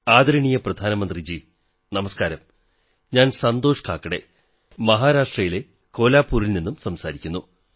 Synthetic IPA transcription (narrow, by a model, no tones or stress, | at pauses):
aːd̪ɐɾɐɳijɐprɐd̪ʱaːnɐmɐnd̪rid͡ʑi | nɐmɐskaːɾɐm | ɲaːnsɐnd̪o̞ːʂkaːkːɐɽe̞̰ | mɐɦaːɾaːʂʈrɐjile̞ | ko̞ːlaːpːuːɾilninːumsɐmsaːɾikʲːunːu